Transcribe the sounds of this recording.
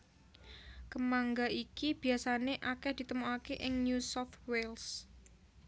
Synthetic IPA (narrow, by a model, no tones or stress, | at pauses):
kəmaŋɡaikib̥i̤asaneʔakɛhd̪̥i̤t̪əmuakeʔɪŋnjusɔft̪wels